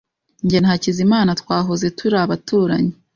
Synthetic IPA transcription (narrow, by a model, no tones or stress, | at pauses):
ɲɟen̥hacizimaːnatwaːɦoze̞tʰuɾaβatʰuːɾa̰ɲe